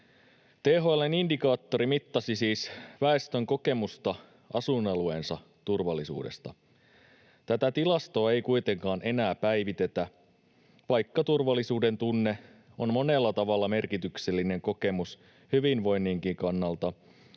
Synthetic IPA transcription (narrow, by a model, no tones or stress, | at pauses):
t̪eːɦoɑlːenindikɑːt̪ːo̞ɾimit̪ːɑsisiːsʋæe̞st̪ø̞ŋko̞ke̞must̪ɑ | ʔɑsunːɑlue̞̰nsɑ | t̪urʋɑlːˑisṵːde̞̰st̪ɑ̰ | t̪æt̪æt̪ilɑst̪o̞ːe̞jkujt̪e̞ŋkɑːnʔe̞næːpæjʋit̪e̞t̪æ | ʋɑjkːɑt̪urʋɑlːisuːde̞nt̪unːe̞ | onmo̞ne̞lːɑt̪ɑʋɑlːɑme̞rkit̪ykse̞lːine̞ŋko̞ke̞mus | hyʋinʋo̞jnːiːŋkiŋkɑnːɑlt̪ɑ